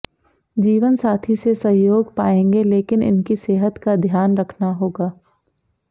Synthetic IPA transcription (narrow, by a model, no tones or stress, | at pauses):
d͡ʒiːʋənsaːt̪ʰisesɐɦjoːɡpaːẽːŋɡeleːkɪnɪ̰nkiseːɦət̪kad̪ʱjaːnɾɐkʰnaɦoːɡaː